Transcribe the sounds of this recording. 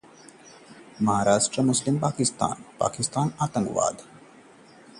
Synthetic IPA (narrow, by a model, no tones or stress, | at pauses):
mɐɦaːɾaːʂʈɾəmʊslimpaːkist̪a̰ːnpa̰ːkist̪aːnaːt̪ə̃ŋɡʋa̰ːd̪